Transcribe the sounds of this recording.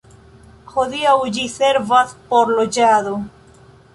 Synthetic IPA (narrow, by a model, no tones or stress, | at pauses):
hod̪iawd͡ʒise̞ɾvaspoɾlod͡ʒado